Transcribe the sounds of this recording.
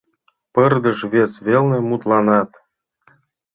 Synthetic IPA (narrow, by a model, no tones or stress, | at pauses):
pɤrd̪ɤ̆ʃβʲesβʲelʲnĕmut̪lˠɑnɑt̪